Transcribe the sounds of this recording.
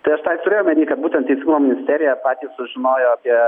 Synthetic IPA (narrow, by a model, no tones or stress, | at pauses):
t̪ɐɪɐʃt̪ɑɪt̪ʊɾʲeːjoːmʲɛnʲiːkɐt̪̚buːt̪ʲɛnt̪t̪ʲɛɪsʲiɡuːmoːmɪnʲɪsʲt̪ʲæːɾʲɪjɛpɑːt̪ʲiːssʊʒʲɪnoːjoːɐpʲiɛ